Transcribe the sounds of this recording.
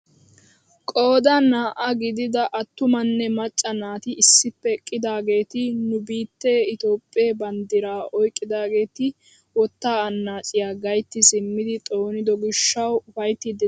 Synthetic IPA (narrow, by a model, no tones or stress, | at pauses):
kʼo̞ːd̪ɐnaːʔɐɡɪd̪ɪd̪ɐʔɐt̪ːʊmɐnːɛmɐt͡ʃʼːɐnaːt̪ɪɪsːɪpːɛkʼːɪd̪aːɡe̞ːt̪ɪnʊbiːt̪ːeːɪt̪o̞ːpʼːeːbɐnd̪ɪɾaːɔjkʼːɪd̪aːɡe̞ːt̪ɪ | wɔt̪ːaːɐnːaːt͡ʃʼɪjaːɡɐjt̪ːɪsɪmːɪd̪ɪt̪ʼo̞ːnɪd̪ɔɡɪʃːɐwʊfɐjt̪ːid̪ɛ